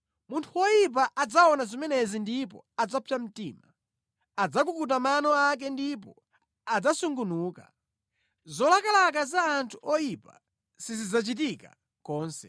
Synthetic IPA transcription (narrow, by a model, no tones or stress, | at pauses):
muntʰuwɔjip̬aʔad͡zaɔnazimɛnɛzindip̬ɔ̰ad͡zapʰam̩tiːma | ad͡zak̬ukut̬amanɔak̬ɛndip̬ɔ | ad͡zasuŋɡunuːka̰ | zɔlakalak̬azaːntʰu̥ʔɔjipa̰ | sizid͡zat͡ʃit̬ika̰ | kɔːnsɛ